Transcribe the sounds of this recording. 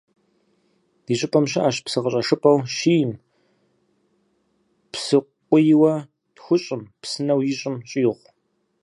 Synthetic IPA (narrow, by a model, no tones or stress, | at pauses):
d̥iːɕʼɪpʼɐmɕɐʔaːɕpsɨʁəɕʼɐʂɨpʼɐwʃiːjm | psɨqʷʼʊjɪwɐ | txʷʊɕʼɪmpsɨnɐwjɪɕʼɪmɕʼiːʁʷ